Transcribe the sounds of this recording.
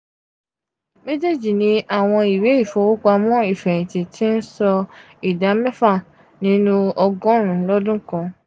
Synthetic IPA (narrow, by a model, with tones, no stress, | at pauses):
me˦d͡ʒe˦˨d͡ʒi˨nĩ˨˦ʔa˦˨w̃ɔ̃˧i˨we˨˦i˦˨fɔ˧˦wo˦k͡pa˧mɔ̃˦i˦˨fɛ˨ɾ̃ĩ˨ti˨tʰi˦n̩˦sɔ˧ | i˨da˨˦mɛ̃˦fa˦˨ | nĩ˨˦nũ˦ɔ˧ɡɔ̃˦ɾ̃ũ˨lɔ˦dũ˦kɔ̃˧